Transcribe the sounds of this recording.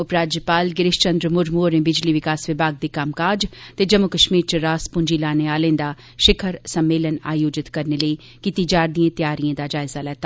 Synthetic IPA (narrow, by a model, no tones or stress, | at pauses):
ʊpɾaːd͡ʒjəpaːlɡɪɾɪʃt͡ʃə̃nd̪ɾəmʊɾmoːɾẽːbɪd͡ʒliːʋɪkaːsʋɪbʱaːɡ̚d̪iːkamkaːd͡ʒt̪eːd͡ʒəmːʊkəʃmiːɾt͡ʃəɾaːspʊɲd͡ʒiːlaːneaːlẽːd̪aː | ʃɪkʰəɾsəmːeːləna̰ːjoːd͡ʒɪt̪kəɾneləi | kit̪iːd͡ʒaːɾd̪iẽːt̪jaːɾiãːd̪aːd͡ʒaːɪzaːlɛːt̪aː